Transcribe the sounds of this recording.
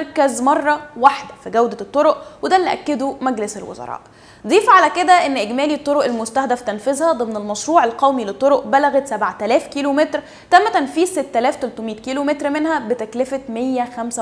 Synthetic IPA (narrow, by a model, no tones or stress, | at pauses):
ɾˤkæzmɑrˤːɑwaħd̪æfiɡæwd̪æt̪ˤːoɾoʔwed̪ælːeʔæ̰kːed̪omæɡleselwo̰zɑ̰ɾˤɑ̰ːʔ | d̪ˤiːfʕalæked̪æʔenːʔeɡmæːliet̪ˤːoɾoʔelmost̪æhd̪æft̪ænfezhæd̪ˤemnelmɑʃɾuːʕelqæwmilet̪ˤːoɾoʔbælæɣæt̪sæbʕt̪ælæːfkiːlomet̪ɾ | t̪æmːæt̪ænfiːzset̪ːælæːft̪ælt̪omiːt̪̚kiːlomet̪ɾmenhæbet̪æklefæt̪mejːæxæmsæ